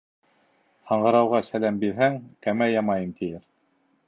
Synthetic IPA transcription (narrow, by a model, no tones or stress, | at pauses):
hɑɴɢɤ̆ɾɑwʁɑsælæmbiɾɦæŋkæmæjɑmɑjɤmt̪ʰijɘɾ